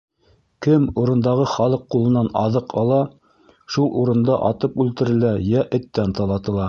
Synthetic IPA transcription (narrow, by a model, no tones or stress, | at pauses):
kɘmuɾɤ̆nd̪ɑʁɤχɑlˠɤqːulˠɤ̆nːɑnɑ̰ðɤqʰɑlˠɑ | ʃulˠuɾɤ̆nd̪ɑʔɑt̪ɤpʉlt̪ɘ̆ɾɘ̆læjæʔɘ̆t̪ːænt̪ɑlˠɑt̪ɤ̆lˠɑ